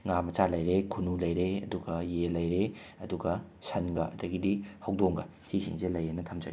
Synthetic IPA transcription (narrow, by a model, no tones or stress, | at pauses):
ŋamɐt͡ʃalɐjɾekʰunulɐjɾeɐ̰duɡɐjelɐjɾeɐduɡɐsɐnɡɐɐ̰dɐɡidihɐwdoŋɡɐsisḭŋzelɐjɐnɐtʰɐmd͡ʒɐ̰ɡi